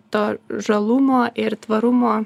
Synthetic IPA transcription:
t̪oːʒɐlˠʊmoːʔɪɾt̪ʋɐɾʊmoː

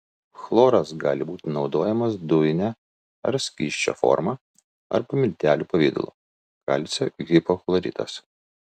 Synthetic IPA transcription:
xlˠoːɾɐsɡɑ̰ːlʲɪbuːt̪ʲɪnɒʊd̪oːjɛmɐsd̪ʊjnʲæ | ɐ̰ɾsʲkʲiːʃʲt͡ʃʲo̰ːfɔ̰ɾmɑː | ɐ̰ɾpɐmʲɪlʲt̪ʲæːlʲuːpɐʋʲiːd̪ʊ̰lˠṵː | kɐ̰lʲt̪sʲɛɡʲɪpoxlˠɐɾʲḭːt̪ɐ̰s

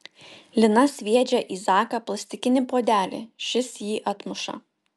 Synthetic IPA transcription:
lʲɪnɐsʲʋʲiɛd͡ʒʲɛʔiːzɑːkɐplˠɐsʲt̪ʲɪkʲɪnʲɪpoːd̪ʲæːlʲɪ̰ʃʲɪsjiːʔɐt̪mʊʃɐ̰

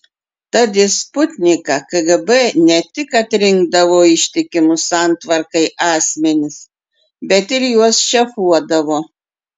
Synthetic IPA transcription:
t̪ɐd̪ʲɪspʊt̪ʲnʲɪkɑkɐɡɛbɛnʲɛt̪ʲɪkɐt̪ʲɾʲɪŋɡ̚d̪ɐʋoːɪʃʲt̪ʲɪkʲɪmʊsɑˑnt̪ʋɐɾkɐɪʔɑːsʲmʲɛnʲɪs | bʲɛt̪ɪɾjuɔsʃʲɛfuɔd̪ɐʋoː

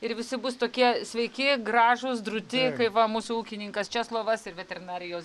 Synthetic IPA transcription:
ɪɾʋʲɪsʲɪbʊst̪oːkʲiɛsʲʋʲɛɪkʲɪɡɾɑːʒʊsd̪ɾʊt̪ʲɪkɐɪʋɐmuːsʊuːkʲɪnʲɪŋkɐst͡ʃʲɛslˠoːʋɐsɪɾʋʲɛt̪ʲɛɾʲɪnɑːɾʲɪjoːs

